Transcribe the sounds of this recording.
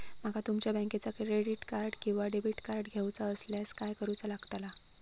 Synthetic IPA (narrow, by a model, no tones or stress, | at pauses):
m̤aɡat̪umt͡ɕjabə̃ŋket͡sakɾɾeɽiʈkaɾɖkĩw̃ʋaɖebiʈkaɾɖɡʱjewt͡saəsljaskajkəɾut͡salaɡt̪ala